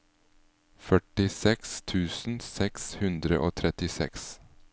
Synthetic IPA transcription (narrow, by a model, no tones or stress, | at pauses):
fœʈɪsɛkst̪ʰʉːsn̩sɛkshʉnd̪ɾə̰ʔoːt̪ʰɾɛt̪ɪsɛ̰ks